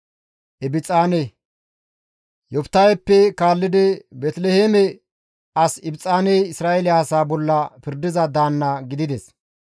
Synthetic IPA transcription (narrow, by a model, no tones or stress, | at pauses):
ʔɛbɪt͡sʼaːnɛ | jɔpt̪ɐjɛpːɛkaːlːɪd̪ɪbɛt̪lɛheːmɛ | ɐsɪbɪt͡sʼaːnɛjɪsɾaːɛlɪaːsaːbɔlːɐpɪɾd̪ɪzɐd̪aːnːɐɡɪd̪ɪd̪ɛs